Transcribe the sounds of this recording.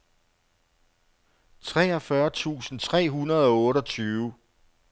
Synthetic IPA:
t͡sʰʁɛ̰ːɒ̽fɶɐt͡sʰṵːsn̩t͡sʰʁɛ̰ːɦunɐð̞̩ˠɒ̽ɔ̽ːɾɒ̽t͡sʰyːʋ

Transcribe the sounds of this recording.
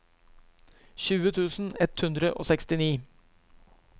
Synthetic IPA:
çʉːət̪ʰʉːsn̩ɛt̪hʉnd̪ɾəʔo̰ːsɛkst̪ɪniː

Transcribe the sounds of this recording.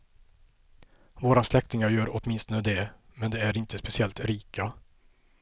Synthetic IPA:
voːɾaslɛkt̪ɪŋaɾjœːɾɔt̪mɪnst̪ɔnəd̪ɛmɛnd̪ɛæɾɪnt̪əspɛsɪɛlt̪ɾiːkʰa

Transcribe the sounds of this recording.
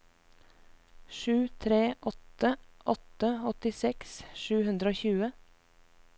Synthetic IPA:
ʃʉːt̪ʰɾeːʔɔt̪əʔɔt̪əɔt̪ɪsɛksʃʉːhʉnd̪ɾəoːçʉːə

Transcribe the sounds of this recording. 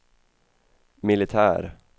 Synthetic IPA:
mɪlɪt̪ʰæːɾ

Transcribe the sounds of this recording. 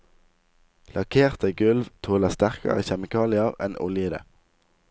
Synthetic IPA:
lɑkʰeːʁt̪əɡʉlʋt̪ʰoːləst̪æʁkɑ̰ʁə̰ːçɛmɪkʰɑːlɪɑʁɛnʔʊ̰ljəd̪ə̰

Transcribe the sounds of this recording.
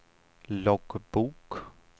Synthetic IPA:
lɔɡb̥uːk

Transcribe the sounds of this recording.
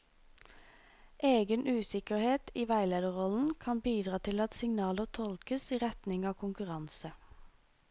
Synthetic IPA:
ʔeːɡənʔʉːsɪkəʁheːt̪iːʋæɪleːd̪əʁɔln̩kʰɑnbiːd̪ʁɑːt̪ʰɪlɑt̪sɪŋnɑːləʁt̪ʰɔlkəsiːʁɛt̪nɪŋɑːʋkʰʊŋkʉʁɑnsə

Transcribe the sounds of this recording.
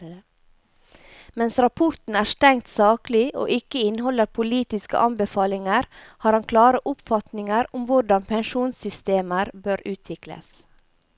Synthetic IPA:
mɛnsɾɑpʰʊɾt̪n̩æːst̪ɛŋt̪sɑːklɪʔo̰ːʔɪkəɪnhɔləɾpʰʊliːt̪ɪskə̰ʔɑnbəfɑːlɪŋəɾ | hɑːɾhɑnkʰlɑːɾəʔʊpfɑt̪nɪŋəɾʊmʋʊɾɖɑnpʰɛnʃuːnsʏst̪eːməɾbøːɾʉːt̪ʰʋɪklə̰s

